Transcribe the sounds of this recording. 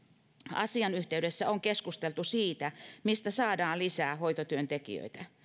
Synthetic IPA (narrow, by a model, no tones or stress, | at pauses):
ɑ̰siɑnyht̪eydesːæoŋkeskust̪elt̪usiːt̪æmist̪æsɑːdɑːllisæːhoit̪ot̪yønt̪ekḭø̰it̪æ